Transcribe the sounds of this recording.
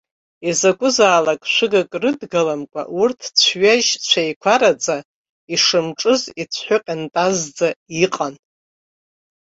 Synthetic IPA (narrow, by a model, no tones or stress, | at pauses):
izakʷʼʊzaːlakʼʃʷɨɡakʼrɨdɡalamkʷʼa̰ʔurtʰt͡sʷʰɥaʒt͡ɕʷʰajkʷʰaɾat͡sʼa | iʂɨmʈ͡ʂʼɨzit͡sʷʰħʷʊqʲʼantʼazd͡zaiqʼan